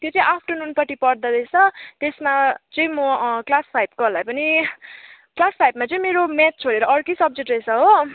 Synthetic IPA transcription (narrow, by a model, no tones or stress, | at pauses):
t̪jot͡sʌ̃ĩʔapʰʈʌnunpʌʈipʌrd̪ʌd̪ʌjt͡sʰʌt̪esmat͡sʌĩmʌklaspʰajb̚ɡʌlajpʌni | klaspʰajbmat͡sʌ̃ĩmeɾomat̪̚t͡sʰoɾeɾʌʌrkʌsʌb̚d͡zeʈrʌjsʌɦo